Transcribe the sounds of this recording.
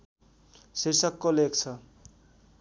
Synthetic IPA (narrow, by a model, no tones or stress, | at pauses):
sirsʌkːolekt͡sʰʌ